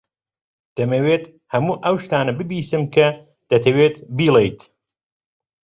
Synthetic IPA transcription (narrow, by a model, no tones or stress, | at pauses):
d̪̥ɐmɐweːt̪ | hɐmuːʔɐwʃt̪aːnɐbɨbiːsɨmkʰɐ | d̪̥ɐt̪ʰɐweːt̪biːlˠejt̪